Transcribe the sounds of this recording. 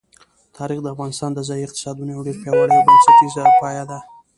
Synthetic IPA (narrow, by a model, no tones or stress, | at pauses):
t̪ʰɑɾixd̪əafɣɑnɪst̪ɑnd̪əzɑjiɪq̚t̪ɪ̥sɑd̪unoawɖeɾpjɑwəɽəjawbansat̪izəpɑjad̪a